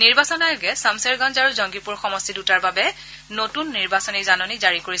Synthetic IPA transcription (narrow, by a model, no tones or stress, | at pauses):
niɹbasɔnajʊɡɛsamsɛɹɡɔnd͡ʒaɹuzɔŋɡipuɹxɔmɔstʰidutaɹbabɛ | notunːiɹbasɔnizanɔnizaɹikoɹis